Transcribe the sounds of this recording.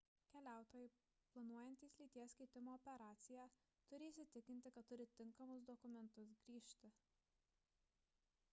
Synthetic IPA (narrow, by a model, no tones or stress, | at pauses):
kʲɛlʲæˑʊt̪oːjɛɪ | plˠɐnuɔjɛnʲt̪ʲiːsʲlʲiːt̪ʲiɛsʲkʲɐɪt̪ʲɪmoːɔpʲɛɾɑːt̪sʲɪjæː | t̪ʊɾʲisʲɪt̪ʲɪkʲɪnʲt̪ʲɪkɐt̪t̪ːʊɾʲɪt̪ʲɪŋkɐmʊsd̪ɔkʊmʲɛnt̪ʊsɡɾʲiːʃʲt̪ʲɪ